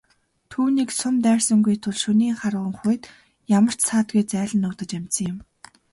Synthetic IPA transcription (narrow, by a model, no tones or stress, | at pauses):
t̪ʰuːniːksʊnt̪æːrsə̆ŋɡujt̪ʰʊɮʃɵniːŋχarʁə̆ŋχʊjt̪ | jamə̆r̥t͡ɕsaːt̪ɡujt͡sæːɮə̆nːʊkt̪ə̆t͡ɕæm̥ʲt͡ɕsə̆ŋjʊ̆m